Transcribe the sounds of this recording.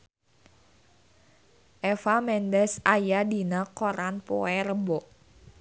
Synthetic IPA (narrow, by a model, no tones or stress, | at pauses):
ʔɛfamɛndɛsajadinakoɾanpoɛrəbɔʔ